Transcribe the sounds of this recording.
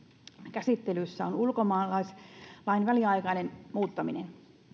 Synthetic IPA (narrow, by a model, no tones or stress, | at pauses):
kæsit̪ːelysːæonulkomɑːlɑislɑinʋæliɑjkɑnenmuːt̪ːɑminen